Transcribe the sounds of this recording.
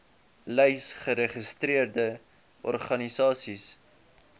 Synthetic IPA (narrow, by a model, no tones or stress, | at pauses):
lɛjsχəɾəχəstɾiərdə | ʔɔ̰rχɐnisɑːsis